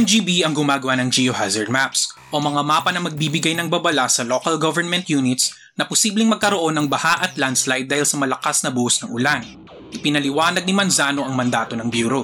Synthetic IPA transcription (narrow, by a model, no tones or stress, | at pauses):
ɛnd͡ʒibiɐŋɡʊmaːɡɐwanɐŋd͡ʒijohazɐɹd̪̚mapsʔo̞mɐŋamaːpɐnɐmɐɡ̚bibɪɡajnɐŋbɐbɐlasɐlokɐlɡovɛɹmɛnt̪juːnɪt̪s | nɐposiːblɪŋmɐɡ̚kɐɾoʔo̞nːɐŋbɐhaʔɐt̪lanslahjd̪ːaːhɪlsɐmɐlɐkasnɐbuːhsnɐŋʔʊlan | ʔɪpɪnɐlɪwaːnɐɡ̚nɪmanzaːno̞ʔɐŋmɐnd̪aːt̪o̞nɐŋbjuːɾo